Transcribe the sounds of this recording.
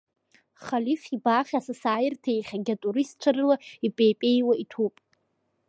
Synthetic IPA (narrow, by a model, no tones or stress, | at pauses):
χalifʲibaːχʲasasaːjɪrtʰe̞jχʲaɡʲatʼuɾiist͡ʃʷʰarɨlaipʼeːpʼe̞jwaitʰupʼ